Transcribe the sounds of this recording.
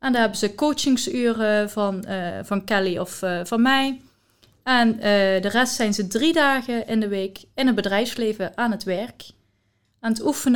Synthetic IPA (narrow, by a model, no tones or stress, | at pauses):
ʔɛndɑnɦɛbənzəkowt͡ʃɪŋsyːrəvɑnv̥ɑnkɛliɔfvɑnmɛj | ɛndərɛstsɛjnzədridaːɣəʔɪndəʋejkɪnɦəd̚bədrɛjfslejvəʔaːnɦətʋɛɹk | ɛnətufən